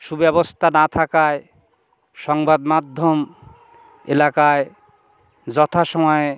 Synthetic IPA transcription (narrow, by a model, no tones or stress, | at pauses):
ʃubɛbost̪ʰanat̪ʰakae | ʃɔŋbad̪mad̪ʱːom | ḛlakae | d͡ʑɔt̪ʰaʃɔmɔe